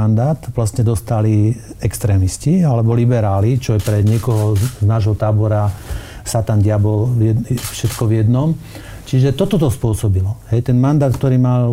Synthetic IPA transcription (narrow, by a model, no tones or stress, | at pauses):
and̪aːt̪ʋlasɲɛd̪ɔst̪aliɛkst̪ɾɛːmiscialɛbɔlibɛɾaːlit͡ʃɔjɛpɾɛɲɪɛkɔɦɔznaːʒɦɔt̪aːbɔɾasat̪anɟɪabɔjɛfʃɛt̪kɔʋjɛd̪nɔm | t͡ʃiʒɛt̪ɔt̪ɔt̪ɔspʊɔsɔbilɔɦɛjt̪ɛnmand̪aːt̪̚k̚t̪ɔɾiːmal